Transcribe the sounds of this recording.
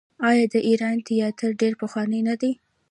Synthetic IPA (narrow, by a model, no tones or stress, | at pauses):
ɑjɑd̪əʔiɾɑnt̪ijɑt̪əɾɖeɾpəxwɑnənad̪i